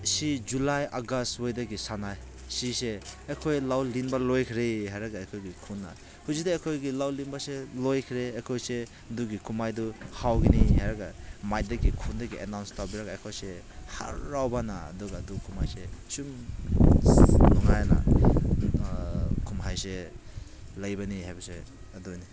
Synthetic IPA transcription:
sid͡ʒulajaɡastwojdaɡisanaj | siseːkʰojlawlinbalojkʰɾeɦajɾaɡaekʰojɡikʰunːa̰ | huzidaejkʰojɡilawlinbaselojkʰɾeːkʰojse | duɡikʰumajduhawɡiniɦajɾaɡamaj̚daɡikʰundaɡiʔḛnawnstawbiɾaɡaekʰojse | ha̰ɾːawbana̰ːdɔɡadukʰumajsesum | nɔŋajana̰ | kʰumɦajse | lajbanihajbasḛ | adɔjni

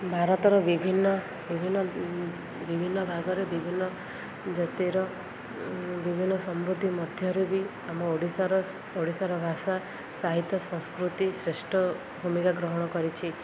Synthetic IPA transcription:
bʱaɾɔt̪ɔɾɔʋibʱinːɔ | ʋibʱinːɔ | ʋibʱinːɔbʱaɡɔɾebibʱinːɔ | d͡ʒɔt̪iɾɔ | ʋibʱinːɔsɔmɾud̪ʱimɔd̪ʱjɔɾebi | amɔoɽisaɾɔ | oɽisaɾɔbʱaʃa | saɦit̪jɔsɔ̃w̃skɾut̪isɾeʃʈʰɔ | bʱumikaɡɾɔɦɔɽ̃ɔkɔɾit͡ʃʰi

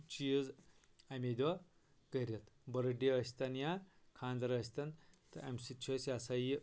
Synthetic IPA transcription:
t͡ʃiz | ɐmʲed̪ʲo | kəɾʲɐt̪bɐɾɐɖeɐsʲt̪ɐnja | kʰaːnd̪ɐɾɐs̬ʲt̪ɐnt̪ɨɐmʲsit͡ʃʰosʲasɐji

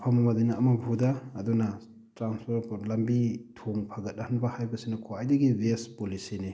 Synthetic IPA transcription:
pʰamɐmadinaɐmɐbʱudaːduna | tɾanspʰoɾpʰlɐmbitʰoŋpʰaɡɐt̚ahanbahajbɐsinɐkʰoajdɐɡibespolisini

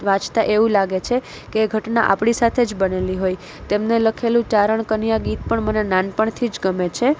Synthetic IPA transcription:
ʋat͡ʃt̪aʔeʋũlaɡet͡ʃʰe | keːɡʱəʈnaʔa̰pɳisat̪ʰed͡ʒbəneliɦoj | t̪emneləkʰelũt͡ʃaɾəɳkənijaɡit̪̚pəɳmənenanpəɳt̪ʰid͡ʒɡəmet͡ʃʰe

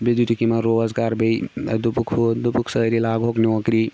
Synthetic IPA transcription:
bid̪uʈikimaɾozɡaɾbejd̪upukʰd̪upuksəɾilaɡʱokniɔkɾi

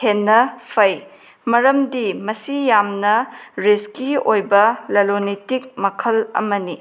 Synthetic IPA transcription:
enːɐpʰɐj | mɐɾɐmdimɐsijamnɐɾiskiojbɐlɐlonitik̚mɐkʰɐlɐ̰mɐni

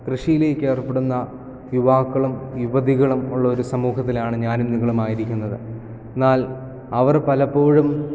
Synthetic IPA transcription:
krɨʂijile̞ːkʲːe̞ːrpːe̞ɽunːɐ | juʋaːkːɐɭumjuʋɐðiɣɐɭumuɭːɐo̞ɾusɐmuːɦɐt̪ːilaːɳɨɲaːnmnːiɣɐɭumaːjiɾikʲːunːɐðɨ | enːaːl | ɐʋɐrpɐlɐpːo̞ːɻum

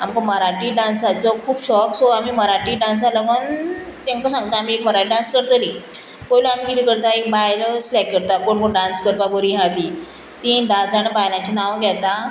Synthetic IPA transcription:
amkaməɾaʈiɖãnsat͡sɔkʰuːbɕɔksɔamiːməɾaʈiːɖãns̬alaɡənt̪ẽŋkasãŋɡt̪aːm̤iːekməɾaʈiɖãnskəɾt̪əliː | poilaam̤iːɡiɾikəɾt̪aek̚bajlslɛkːəɾt̪akoɳkoɳɖãnskəɾpabəɾiɦãt̪i | t̪ĩɖãsaɽ̃ibajlãt͡ɕinãwɡʱɛt̪a

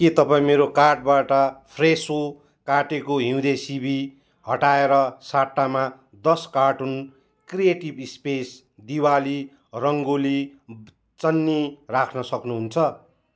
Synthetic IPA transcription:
ket̪ʌpaĩmeɾokarʈ̚baʈʌpʰreso | kaʈekoɦĩw̃d̪esibi | hʌʈaeɾʌsaʈːama | d̪ʌskaʈun | krijeʈibispes | d̪iwali | rʌŋɡoli | t͡sʌnːirakʰnʌsʌknuɦunt͡sʰʌ

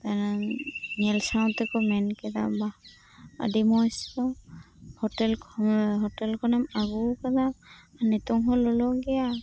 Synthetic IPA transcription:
tananɛlsaw̃ntɛkɔmɛnkɛd̪a̰ba | a̰dimɔskɔ | hɔtɛlkʰɔɦɔtɛlkʰɔnɛmaɡukad̪amanɛt̪ɔŋɦɔlɔlɔɡɛja

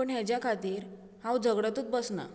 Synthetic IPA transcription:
əɳɦɛd͡ʑjakʰat̪iːɾ | hãwd͡zʱəɡɽat̪uːt͡s̚bəsna̰

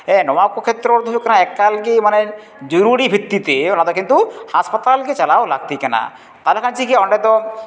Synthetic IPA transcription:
ɛnɔwakokʰet̪ːɾɔɾd̪ʱojokɛnaɛkːalkimane | d͡ʒɔɾuɾibʱit̪ːit̪eɔnad̪ɔkint̪uhaspat̪alket͡ʃalaola̰ɡ̚t̪ikɛna̰ | t̪alekʰant͡ʃikeɔnɖet̪ɔ

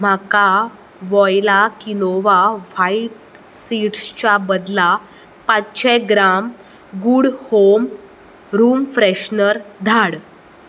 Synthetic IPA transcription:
m̤aka | ʋɔjlakinoʋaʋaiʈ | siʈst͡ɕabəd̪la | pãt͡sɕɛ̃ɡɾam | ɡuɽhom | ɾuːmfɾeɕnəɾd̪ʱaɽ

